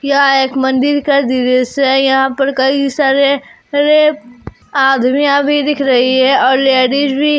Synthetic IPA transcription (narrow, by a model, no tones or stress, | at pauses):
kjaeːkmɐ̃nd̪ɪɾkad̪iɾesɛjɐɦãpɐɾkɐisaːɾe | ɾep | aːd̪mijãbʱid̪ɪkʰɾɐɦiɦɛɔːɾleːɖid͡ʒbʱi